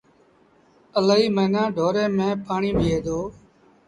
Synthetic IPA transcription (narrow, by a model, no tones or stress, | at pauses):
əlaːiːməːnãːɖʱoːɾeːmẽːpaːɳiːbʱiːɦeːd̪oː